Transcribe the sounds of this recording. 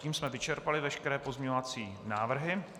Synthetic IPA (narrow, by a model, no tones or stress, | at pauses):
iːmsmɛvɪt͡ʃɛɾpalɪvɛʃkɛɾɛːpozmɲeɲovat͡siːnaːvr̩ɦɪ